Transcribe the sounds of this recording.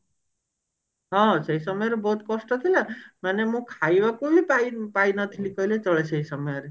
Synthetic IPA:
ɦɔ̃seisɔmɔjɔɾebɔɦut̪kɔsʈɔt̪ʰilamanemũkʰajʋakubipaipainʌt̪ʰilikɔilet͡ʃɔɭeseisɔmɔjɔɾe

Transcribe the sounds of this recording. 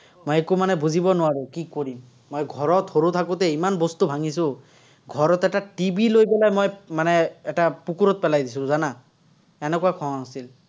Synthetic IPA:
mojɛkumanɛbuzibɔnʊwaɹekikoɹimː | ojɡʱɔɹɔt̪hoɹut̪ʰakut̪ɛimanbɔst̪ubʱaŋisʊ̃ | ɡʱɔɹɔt̪ɛʈaʈibilojpɛlajmojmanɛːʈapukuɹɔt̪̚pɛlajd̪isũzana | ɛnɛkuwakʰɔ̃ŋɦasil

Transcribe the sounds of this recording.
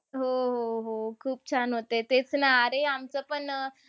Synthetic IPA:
ɦoɦoɦokʰuːp̚t͡ɕʰanɦot̪et̪et͡snaaɾeamt͡səpəɳ

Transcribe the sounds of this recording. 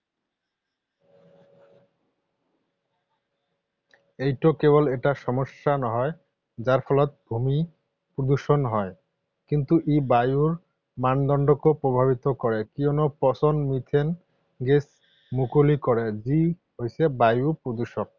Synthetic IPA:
ejʈokeboleʈaʃɔmoʃːanɔɦɔe | d͡ʑaɾfʰɔlɔt̪̚bʱumi | pɾod̪uʃonɦɔe | kint̪uʔibajuɾ | mand̪ɔɳɖokopɾobʱabit̪okɔɾekionopɔsonmit̪ʰen | ɡes | mukolikɔɾed͡ʑi | ɦojsebajupɾod̪uʃok̚

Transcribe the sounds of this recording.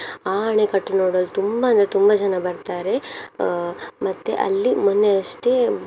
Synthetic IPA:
aːɐɳekɐʈːenoːɽoːlut̪umbaɐnd̪ɾet̪umbɐd͡ʒɐnɐbɐɾt̪aːɾe̞ | mɐt̪ːeʔɐ̰lːimond̪eɐʂt̪e

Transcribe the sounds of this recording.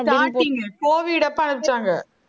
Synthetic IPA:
ʈaːʈːiŋɡɐkoːʋiɪɽɐpːɐnɐʋɪt͡ʃːaːŋɡɐ

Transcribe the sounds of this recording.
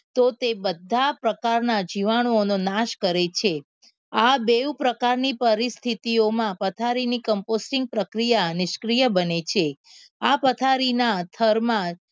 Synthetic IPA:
t̪ot̪ebəd̪ʱapɾəkaɾnad͡ʒiʋaɽ̃oononaʃkəɾet͡ʃʰe | abeupɾəkaɾnipəɾist̪ʰit̪iomãpət̪ʰaɾinikəmposʈɪŋɡ̚pɾəkɾijanɪʃkɾijəbənet͡ʃʰe | apət̪ʰaɾinat̪ʰəɾmã

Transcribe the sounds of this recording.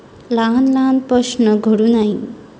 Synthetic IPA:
lanlaːnpɾəʂnəɡʱəɽunaɦĩ

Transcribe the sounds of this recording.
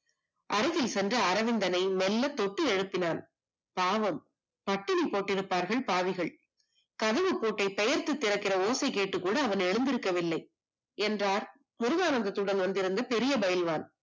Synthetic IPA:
ʔɐɾɪɣɐlsɛndrɐːɾɐʋɪnd̪ɐnɐɪnɛlːɐt̪ːɔʈːɯɛɻɯpːɪnaːn | paːʋɐm | pɐʈːɪnipːoːʈːɪɾɯpːaːɾɣɐɭpaːʋɪɣɐɭ | kɐðɐʋɯpːoːʈːɐɪpɛjɐɾt̪ɯt̪ːɪɾɐkːɪrɐoːsɐɪkeːʈːɯkːuːɽɐːʋɐnɛɻɯnd̪ɪɾɯkːɐʋɪlːɐɪ | ɛndraːɾ | mʊɾʊɣaːnɐnd̪ɐt̪ːɯɽɐnʋɐnd̪ɪɾɯnd̪ɐpɛɾɪjɐbɐjɪlʋaːn

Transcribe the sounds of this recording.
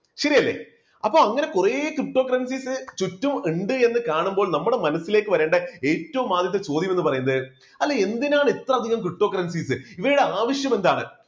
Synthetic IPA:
ɕɐɾijɐlːe̞̰ː | ɐpːoːɐŋːɐne̞kureːkrɨʈːo̞ːkːɐrɐnsiːsɨt͡ɕutːumiɳɖɨe̞nːɨkaːɳumbo̞ːɭnɐmːuɽe̞mɐnɐsːile̞ːkːɨʋɐɾe̞ːɳɖɐeːtːɐʋumaːd̪jɐt̪ːet͡ɕo̞ːd̪jɐmenːɨpɐrɐjunːɐðɨ | ɐlːee̞nd̪inaːɳɨit̪rɐɐd̪ʱiɣɐmkrɨʈːo̞ːkːɐrɐnsiːsɨiʋɐjuɽeaːʋɐɕjɐme̞nd̪aːɳɨ̰

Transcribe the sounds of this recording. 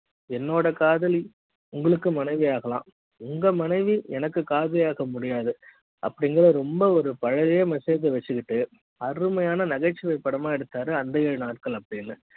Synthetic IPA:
ɛnːoːɽɐkaːðɐli | ʊŋɡɐɭɯkːɯmɐnɐɪʋiaːɣɐlã̰ː | ʊŋɡɐmɐnɐɪʋiɛnɐkːɯkaːðɐlijaːɣɐmʊɽɪjaːðɯ | ʔɐ̰pːɐɽɪŋɡɐɭɐɾɔmbɐɔɾɯpɐɻɐɣeːmɐseːðɐʋɐt͡ʃːɯkɪʈːɯ | ɐrɯmɐjaːnɐnɐɣɐʈt͡ʃːɪʋɐɪpːɐɽɐmaːɛɽɯt̪ːaːɾɯɐnd̪ɐeːɻɯnaːʈ̚kɐɭɐpːɐɽinːɯ

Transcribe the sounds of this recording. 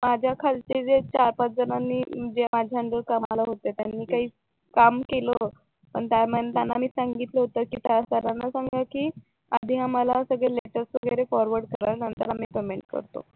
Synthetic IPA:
mad͡ʑʱjakʰalt͡ɕed͡zet͡ɕaɾpat͡s̪̚d͡zənanːiːəd͡ʑemad͡ʑʱjaəɳɖəɾkamalaɦot̪et̪janːiːkaɦiː | kamkelə | pəɳt̪jaməet̪janːamiːsaŋɡit̪ləɦot̪əkiːt̪asaɾanːasaŋɡakiː | ad̪ʱiːɦaməlasəɡɭeleʈəɾsʋəɡəɾefɔɾʋəɾɖkəɾanənt̪əɾamiːpemeɳʈ̚kə̰ɾt̪o̰

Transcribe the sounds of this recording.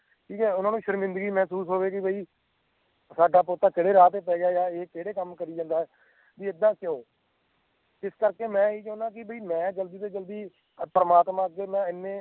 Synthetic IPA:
ʈʰiːkɛːʊnãːnũːʃəɾmɪ̃nd̪əɡiːmɛ̃ːsuːsɦoːʋeːkɪbʱəiː | saːɖaːpoːt̪aːkɪɽeːɾaːt̪eːpɛːɡjaːd͡ʒaːeːkeːɽeːkəmkəɾiːd͡ʒãːnd̪aːɦɛː | diːɪd̪ːãːkoː | t̪ɪskəɾkeːmɛ̃ːiːt͡ʃə̃ʊ̃nãːk̬ɪbʱəiːmɛ̃ːd͡ʒəld̪iːt̪eːd͡ʒəld̪iː | pəɾəmaːt̪mãːəɡeːmɛ̃ːɪnːẽː

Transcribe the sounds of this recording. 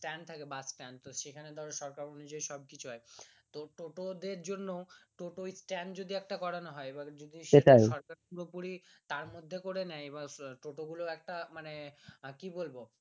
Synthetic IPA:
sʈɛnɖ̚t̪ʰakebasʈɛnt̪oʃekʰaned̪ʱɔɾeʃɔɾkaɾonud͡ʑaeʃɔb̚kit͡ɕʰuɦɔet̪oʈoʈod̪eɾd͡ʑonːoʈoʈoisʈɛnd͡ʑod̪iɛk̚ʈakɔɾanoɦɔeebad͡ʑod̪iʃeajʃɔɾkaɾpuɾopuɾit̪aɾmod̪ʱːekoɾenɛjebaʈoʈoɡuloɛk̚ʈamanekibolbo

